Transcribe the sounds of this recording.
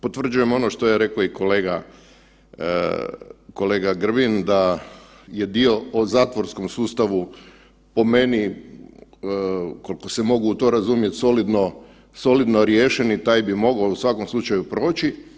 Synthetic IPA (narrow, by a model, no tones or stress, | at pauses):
po̞t̪ʋr̩d͡ʒuje̞mo̞noʃt̪o̞jeɾe̞koiko̞le̞ːɡa | ko̞leːɡaɡr̩bind̪a | je̞d̪io̞ozaːt̪ʋo̞ɾsko̞msuːst̪aʋu | po̞me̞ni | ko̞liko̞semo̞ɡuːt̪o̞ɾazumje̞t̪so̞lid̪no̞ | so̞lid̪no̞ɾjeːʃenit̪ajbimo̞ɡousʋako̞mslˠut͡ʃajupɾo̞ːt͡ʃi